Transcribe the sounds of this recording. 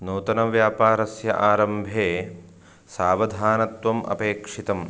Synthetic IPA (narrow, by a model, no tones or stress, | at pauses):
nuːt̪ɐnɐʋjaːpaːɾɐsjɐ̰ʔaːɾɐmbʱeː | saːʋɐd̪ʱaːnɐt̪ʋɐmʔɐ̰peːkʂit̪ɐm